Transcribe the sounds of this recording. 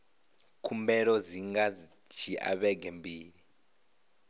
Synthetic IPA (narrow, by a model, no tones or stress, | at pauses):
kʰumbɛɺɔd͡ziŋɡa | t͡ʃʰia̰βɛɡʱɛmbiːɺi